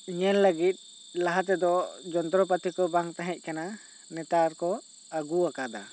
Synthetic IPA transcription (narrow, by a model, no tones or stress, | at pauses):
iɲɛnləɡit̪̚ˀ | laɦat̪̬ɛd̪ɔd͡ʒɔnd̪ɾɔp̬at̪ʰikɔbaŋt̪aɦɛc̚ˀkana | nɛt̪aɾkɔ | aɡuakad̪a̰